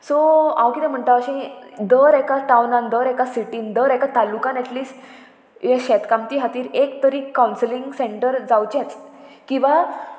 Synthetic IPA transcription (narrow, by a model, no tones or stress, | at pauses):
soa̰wkit̪ɛ̃m̤əɳt̪aʋəɕẽd̪əɾɛkaʈawnãnd̪əɾɛkasiʈiːnd̪əɾɛkat̪alukãnɛʈliːsʈ | jaɕɛt̪kamt̪iːɦat̪iːɾekt̪əɾiːkːawnslĩŋɡseɳʈəɾd͡zawt͡ɕɛ̃t͡skĩw̃ʋa